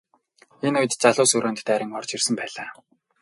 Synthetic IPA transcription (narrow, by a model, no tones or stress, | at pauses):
enʊjɘ̆t̪t͡saɮʊːsɵɾoːnt̪t̪æːɾʲɪ̆ŋɔrt͡ɕirsɘ̆mpæːɮaː